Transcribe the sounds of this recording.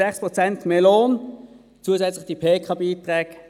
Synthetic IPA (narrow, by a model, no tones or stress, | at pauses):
ɛχspʁot͡sɛntmeːloːn | t͡suəzɛt͡slɪχd̥ipʰeːkʰɑbiːtʁɛːk